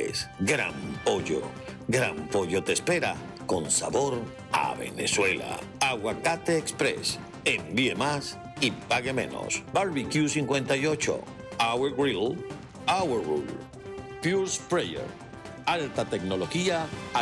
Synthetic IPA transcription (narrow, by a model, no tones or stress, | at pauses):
sɡɾa̰mpoʝo̰ | ɡɾampo̞ʝo̞t̪e̞spe̞ɾa | ko̞nsaβo̞ɾ | a̰βe̞̰ne̞swe̞la̰ | aɣwakat̪eːkspɾe̞̰s | embie̞mas | ipaɣe̞mẽ̞̰no̞̰sbaɾβikjusiŋkwe̞nt̪ajo̞t͡ʃo̞̰ | aweɡɾil | awerṵl | pjuɾspɾejḛɾ | alt̪at̪e̞kno̞loxia